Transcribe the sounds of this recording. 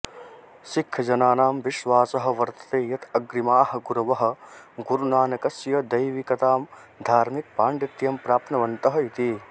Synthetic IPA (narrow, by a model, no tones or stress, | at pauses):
sikʰːɐd͡ʒɐnaːnaːmʋiʃʋaːsɐɦɐ̆ʋɐɾt̪ɐ̥t̪eːjɐt̪ɐɡɾimaːhɐ̆ɡuɾɐʋɐɦɐ̆ɡuɾunaːnɐkɐsjɐd̪ɐjʋikɐt̪aːm | d̪ʱaːɾmik̚paːɳɖit̪jɐmpɾaːp̪nɐʋɐnt̪ɐɦɐit̪i